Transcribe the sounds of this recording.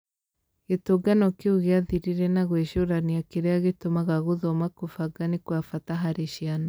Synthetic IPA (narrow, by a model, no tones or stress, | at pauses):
ɣetoɡanɔkeuɣeaðiɾiɾɛnaɣweʃoɾaniakeɾeaɣetomaɣaɣuðɔmakofaɡanikwafataɦaɾeʃiana